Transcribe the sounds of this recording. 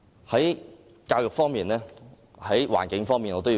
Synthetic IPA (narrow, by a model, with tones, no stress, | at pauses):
hɐ˨˥j | kaː˧wjʊ˨k̚fɔː˥ŋmiː˨nlɛː˥ | hɐ˨˥jwa̰ː˨˩nkɪ˨˥ŋfɔː˥ŋmiː˨nŋɔː˨˧t̪o˥jiː˧